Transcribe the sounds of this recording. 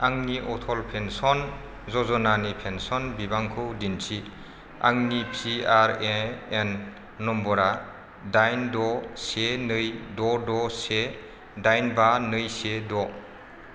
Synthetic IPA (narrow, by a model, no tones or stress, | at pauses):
aŋniʔɔtʰɔlpʰensɔn | zɔzɔnanipʰensɔnbibaŋkʰɯwdintʰi | a̰ŋnipʰiaɾeːnː | ɔmbɔɾa | dajndɔsenɯjdɔdɔse | dajnbanɯjsedɔ